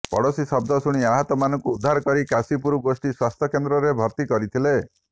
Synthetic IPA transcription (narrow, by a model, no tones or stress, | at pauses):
pɔ̰ɽosisɔb̚d̪ʱɔsuɽ̃iaɦɔt̪ɔmanɔŋkuːd̪ʱːaɾɔkɔɾikasipuɾuɡosʈiswast̪ʰjɔkend̪ɾɔɾebʱɔɾt̪ikɔɾit̪ʰile